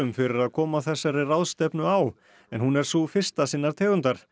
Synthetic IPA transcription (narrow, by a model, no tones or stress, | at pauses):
ʏmfɪɾɪɾaðkʰɔːmaθɛsːaɾɪrawðst̪ɛpnʏaw | ɛnhunɛɾ̥sufɪr̥st̪asiːnːaɾt̪ʰɛːɣʏnt̪aɾ̥